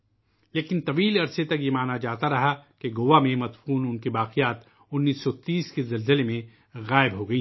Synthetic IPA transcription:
leːkɪ̃nt̪ɐʋiːlɐɾset̪ɐkjemaːnad͡ʒaːt̪aɾɐɦakeɡoːʋamẽmɐt̪fuːnʊnkibaːqɪjaːt̪ | ʊnːiːsːɔt̪iːskezɐlzɪlemẽ | ɣaːɪbɦoɡɐĩ

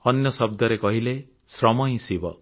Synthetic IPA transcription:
ʌnjʌsʌb̚d̪ʌɾekʌɦile | srʌmʌj̃sibʌ

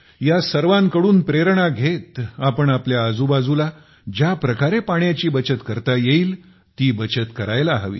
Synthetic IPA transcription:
jasəɾʋãŋkəɽuːnpɾeɾɳaɡʱet̪apəɳapljaːd͡zubad͡zula | d͡ʑjapɾəkaɾepaɳjat͡ɕiːbət͡ɕət̪kəɾt̪ajeiːl | t̪iːbət͡ɕət̪kəɾajlaɦəʋḭː

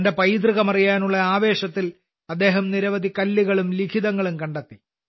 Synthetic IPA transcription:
ndepɐjd̪rɨɣɐmɐrijaːnuɭːɐaːʋe̞ːɕɐt̪ːil | ɐd̪ːe̞ːɦɐmniɾɐʋɐd̪ʱikɐlːiɣɐɭumlikʰiðɐŋːɐɭumkɐɳɖɐt̪ːi

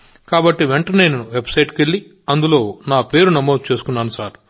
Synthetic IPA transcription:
kaːbɐʈːiʋeɳʈɐnejnɐnuʋe̞bsɐjʈke̞ɭːi | ɐnd̪ulo̞ːnaːpe̞ːɾunɐmo̞ːd̪ut͡ʃe̞ːsu̥kunːɐnusaːɾu̥

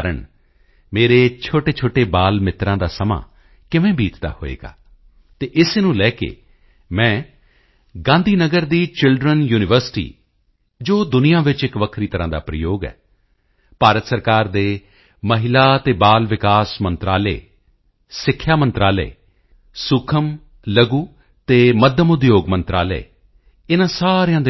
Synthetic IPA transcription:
ɾəɳ | meːɾeːt͡ʃʰoːʈeːt͡ʃʰoːʈeːbaːlmɪt̪ɾãːd̪aːsəmã̰ː | kɪʋẽːbiːt̪d̪a̰ːho̰ːḛːɡa̰ː | t̪eːʔɪsnũːlɛːkḛː | mɛ̃ː | ɡãːnd̪ʱiːnəɡəɾd̪iːt͡ʃɪlɖɾənjuːnɪʋəɾsɪ̥ʈḭː | d͡ʒoːd̪ʊnɪjãːʋɪt͡ʃɪkʋəkʰɾiːt̪əɾãːd̪a̰ːpɾəjoːɡɛ̰ː | paːɾət̪səɾkaːɾd̪eː | məɦɪlaːt̪eːbaːlʋɪkaːsmənt̪ɾaːlḛː | sɪkʰːjaːmənt̪ɾaːlḛː | sʊkʰəm | ləɡuː | t̪eːməd̪ʱjəmʊd̪joːɡmə̃nt̪ɾa̰ːlḛː | ɪnãːsaːɾejãːd̪

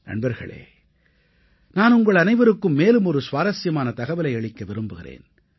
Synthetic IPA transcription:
nɐ̰ɳbɐɾɣɐ̰ɭḛː | naːnʊŋɡɐɭɐnɐɪʋɐɾɯkːɯmːeːlɯmɔɾɯsʋaːɾɐsɪjɐmaːnɐt̪ɐɣɐʋɪlɐɪɛɭɪkːɐʋɪɾɯmbɯɣɪrḛːn

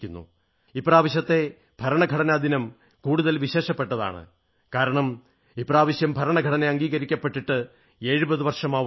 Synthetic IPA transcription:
kʲːunːṵ | ipːraːʋɐɕjɐt̪ːe̞ | b̥ʱɐɾɐɳɐɡʱɐɽɐnad̪ʱinɐm | kuːɽuðɐlʋiɕe̞ːʂɐpːeʈːɐða̰ːɳɨ̰ | kaːɾɐɳɐm | ipːraːʋɐɕjɐmbʱɐɾɐɳɐɡʱɐɽɐneɐŋɡiːɣɐɾikʲːɐpːe̞ʈːiʈːɨ | e̞ːɻubɐðuʋɐrʂɐmaː

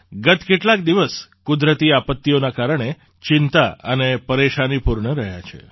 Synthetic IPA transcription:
ɡət̪keʈlak̚d̪iʋəskud̪ɾət̪iapət̪ːijonakaɾəɳ̃e | t͡ʃɪnt̪aənepəɾeʃanipuɾɳəɾəɦja̰t͡ʃʰḛ

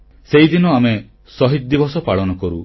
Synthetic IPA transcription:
seɦid̪inɔame | sɔɦit̪̚d̪ibɔsɔpaɭɔnɔkɔɾṵ

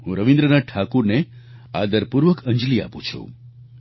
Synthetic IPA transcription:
ɦũɾəʋĩnd̪ɾənaʈʰakuɾnea̰d̪əɾpuɾʋəkʰə̃ɲd͡ʒlia̰pṵ̃t͡ʃʰṵ

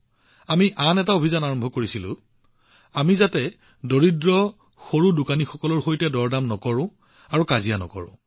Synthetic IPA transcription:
amiʔanɛtaobʱizanaɹɔmbʱɔkoɹisilʊ̰̃ | amizatɛ | doɹidɹɔ | xoɹudukanixɔkɔlɔɹxojtɛdɔɹdamnɔkɔɹʊ̃ | aɹukazijanɔ̰kɔ̰ɹʊ̰̃

